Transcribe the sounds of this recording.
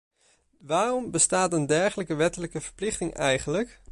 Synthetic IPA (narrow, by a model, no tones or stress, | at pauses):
ʋaːrɔmbəstaːtəndɛɹχələkəʋɛtələkəv̥əɹplɪχtɪŋʔɛjχənlək